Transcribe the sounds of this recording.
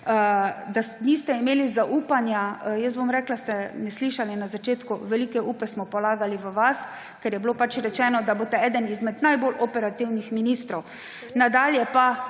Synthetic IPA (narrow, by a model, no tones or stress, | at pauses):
əd̪aniːst̪ɛimeːlizaʔuːpanjajəsbomɾɛːklast̪ɛnɛsliʃalinazat͡ʃeːt̪kuʋɛlikɛʔuːpɛsmɔpɔlaːɡaliʋəʋas | kɛɾjɛblopat͡ʃɾɛt͡ʃɛːnɔd̪abot̪ɛɛːd̪ənizmɛd̪najbolʔɔpɛɾat̪iwnixminist̪ɾɔw | nad̪aːljɛpa